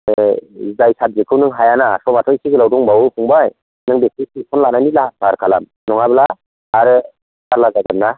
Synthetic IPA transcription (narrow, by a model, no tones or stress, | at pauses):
zajsat̚zɯkʰɯwnɯŋɦajanasɔmatʰɔjsiɡɯlawdɔŋbawupʰuŋbaj | nɯŋbesʰisipʰɔnlananilab̥aɾkʰala̰m | nɔŋablaː | ɾɯ | aɾlazaɡɯmna